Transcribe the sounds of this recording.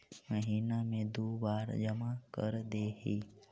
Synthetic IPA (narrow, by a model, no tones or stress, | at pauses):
məɦiːnamẽd̪oːbaːɾd͡ʒəmakə̰ɾd̪eːɦiː